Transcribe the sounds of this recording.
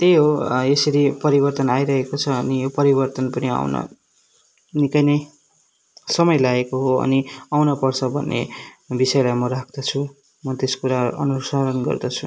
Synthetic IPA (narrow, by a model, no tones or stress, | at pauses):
t̪ejɦoesʌɾipʌɾibʌrt̪ʌnajɾʌɦekot͡sʰʌːnijopʌɾibʌrt̪ʌnpʌnia̰wnʌ̰ | nikʌjnʌj | sʌmʌjlaɡekoɦoʌ̰niawnʌpʌrt͡sʰʌbʱʌnːḛbisʌjelajmʌɾakʰd̪̥ʌt͡sʰu | mʌt̪eskuɾaʌ̰nusaɾʌnɡʌ̰rd̪ʌt͡sʰu̥